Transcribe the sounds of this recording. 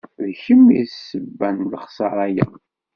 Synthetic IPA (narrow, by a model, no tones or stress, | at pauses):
ðçəmissəbːænləχsˤəɾˤæjæ̰